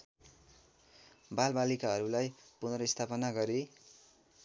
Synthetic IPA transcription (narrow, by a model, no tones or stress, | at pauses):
balbalikaɦʌɾulajpunrʌist̪ʰapʌnaɡʌɾi